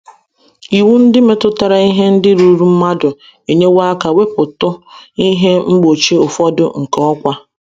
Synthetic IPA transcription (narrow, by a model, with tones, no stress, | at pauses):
i˨wu˦n̩˦dɪ˦me˨tʊ˦ta˨ɾa˨i˦ɦe˦n̩˦dɪ˦ɾu˦ɾu˦m̩˦ma˦dʊ˨ | e˨ɲe˦wa˦ka˨we˦pʊ˨tʊ˦i˦ɦe˦ŋ͡m̩˦ɡ͡bo˨t͡ʃe˦ʊ˨fɔ˦dʊ˦ŋ̩˨kɔ˦kʷa˦